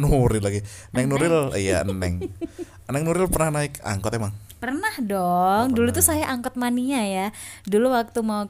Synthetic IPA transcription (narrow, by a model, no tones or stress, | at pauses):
nuɾɪlaɡinaɪk̚nuɾɪlija̰ə̰nɛ̰ŋ | ənɛŋnuɾɪlpərnahnaɪka̰ŋkɔt̪emaŋ | pərnahdɔŋdulut̪usajaʔaŋkɔt̪̚maniɲajaduluwak̚t̪umau